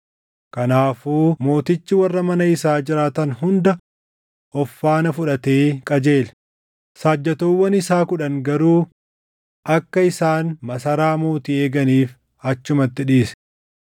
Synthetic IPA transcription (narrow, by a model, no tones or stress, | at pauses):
kɐnaːfuːmo̞ːt̪ɪt͡ʃːɪwɐrːɐmɐnɐɪsaːd͡ʒɪɾaːt̪ɐnhʊnd̪ɐ | ɔfːaːnɐfʊᶑɐt̪eːkʼɐd͡ʒe̞ːlɛ̥ | saːd͡ʒːɐt̪owːɐnɪsaːkʊᶑɐŋɡɐɾuː | ʔɐkːɐɪsaːnmɐsɐɾaːmo̞ːt̪ieːɡɐniːf | ɐt͡ʃːʊmɐt̪ːɪᶑiːsɛ̥